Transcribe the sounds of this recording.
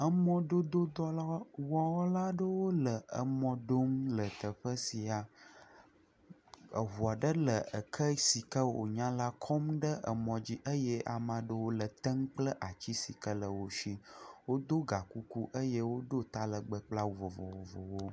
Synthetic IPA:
ə˦mɔ̃˦ɖo˦d̪o˦d̪ɔ˦la˦wɔ˦wɔ˦la˦ɖə˦wo˦lə˨ə̰˨mɔ̃˦ɖo˦m˦lə˨t̪ə˨ɸə˦si˨a˨ | ə̰˨ɦu˨a˨ɖə˦lə˨ə˨kʰə˦si˨kə˦o̰˨ɲã˦la˦kʰɔ˦mɖə˦ʔə̰˨mɔ̃˨d͡ʑi˦ʔə˦jɛ˦ʔa˨mã˨ɖə˦wo˦lə˨t̪ə˦ŋ˦k͡plə˦ʔa˨t͡ɕi˦si˨kə˦lə˨wo˦ʃi˦wo˦d̪o˦ɡa˨ku˦ku˦ʔə˦je˦wo˦ɖo˦t̪a˦lə˨ɡ͡bə˨k͡pla˦˨vo˨vo̰˨vo˨vo̰˨wo˦

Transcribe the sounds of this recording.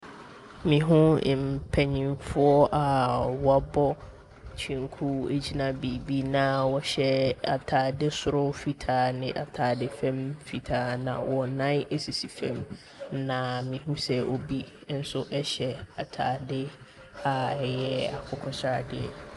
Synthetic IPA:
mĩ˨ɦũ˦˨m˨pʰɛ˦ɲĩ˨mfʊ˦ɔ˦ʔa˨wɔ˨a˦bɔ˦ | t͡ɕʰĩ˨ŋ˦kʰu˦e˦d͡ʑi˦nã˦bi˨bi˦nã˨wɔ˦ɕɛ˦a̰˨tʰaː˨dɪ˦sʊ˨ɾʊ˦fi˨tʰaː˨nɪ̃˨ʔa˨tʰaː˨dɪ˦fɛ̃˦mfi˨tʰaː˨˦nã̰˨wɔ˨nã˦ne˦si˨si˨fɛ̃˦m | nã˨mĩ˨ɦũ˦sɛ˦ʔo˨bi˦n̩˦sʊ˦ʔɛ˦ɕɛ˨a˨tʰaː˨dɪ˦ | a˨ɛ˨jɛ˦a̰˨kʰʊ˨˦kʰɔ˦sa˨dɪ˨ɛ̰˨

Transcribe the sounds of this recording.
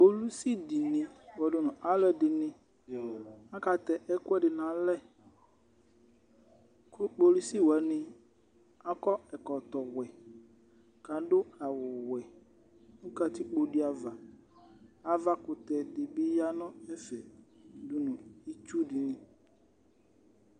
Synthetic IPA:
k͡po˨lu˦si˦di˨nĩ˨a˨wɔ˨dʊ˦nʊ̃˨ʔa˦lɛ˨dɪ˨nɪ̃˦ | a˦ka˨tɛ˨ʔɛ˦kʊ˦ɛ˦dɪ˨nã˨lɛ˦˨ | kʰʊ˦k͡po˨lu˦si˦˨wɛ˨˦nɪ̃˦ | a˦kɔ˦ɛ˨kɔ˨tɔ˨wɛ˨ | ka˨dʊ˦a˨wʊ˨wɛ˨ | ʊ˦ka˨t̪ɪ˦k͡po˨dɪ˦a˨va˨ | a˨va˦kʊ˨t̪ɛ˨dɪ˨bɪ˦ja˦nʊ̃˦ɛ˦fɛ˨dʊ˦nʊ̃˨i˦t͡ʃu˦dɪ˨nɪ̃˨

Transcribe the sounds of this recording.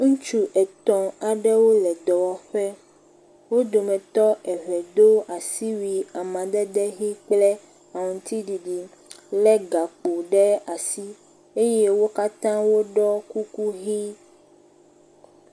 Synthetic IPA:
ŋũ˦t͡ʃu˦ʔɛ˨t̪ɔ̃˨a˨ɖɛ˦wo˦lɛ˨d̪ɔ˨wɔ˨ɸɛ˦ | wo˦d̪o˨mɛ̃˨t̪ɔ˦ʔɛ˨βɛ˨d̪o˦a˨si˦wi˨a˨mã˨d̪ɛ˦d̪ɛ˦ɦi˦k͡plɛ˦ | a˨ŋũ˨ŋ˨t̪i˦ɖi˨ɖi˨ | lɛ˦ɡa˨k͡po˨ɖɛ˦a˨si˦ | e˦je˦wo˦ka˦t̪ã˦wo˦ɖɔ˦ku˦ku˦ɣi˦

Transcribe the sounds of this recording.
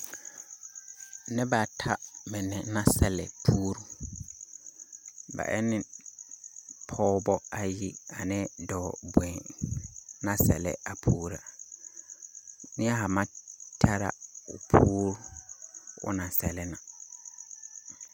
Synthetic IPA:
nɪ˦ba˨tʰa˦mɪ˨nɛ˨˦nã˦sɛ˨lɛ̰˨pʰuː˦ɾu˦ | ba̰˨ʔɛ̰˦nɪ̃˦ | pʰɔː˦bɔ˦a˨ji˦a˨nɛ˦dɔː˨bwɛ̃˨ | nã˦sɛ̰˨lɛ̰˨a˨pʰuː˦ɾa˨ | nɪ˦a˦ɦa˨mã˦tʰa˦ɾa̰˦ʊ̰˨pʰuː˦ɾ | ʊ̰˦nã˨sɛ˨lɛ˦na˨

